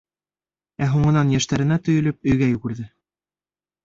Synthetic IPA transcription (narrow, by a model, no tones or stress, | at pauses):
æɦuɴɤ̆nɑnjæʃt̪æɾɘ̆næt̪ɵ̆jɵ̆lɵp̚ɵ̆jɡæjʉɡɘ̆ɾðɘ